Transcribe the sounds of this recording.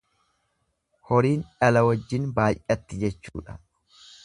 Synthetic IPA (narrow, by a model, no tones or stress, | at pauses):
hɔɾiːnᶑɐlɐwɐd͡ʒːɪnbaːjʔʔɐt̪ːɪd͡ʒɛt͡ʃːṵːᶑɐ̥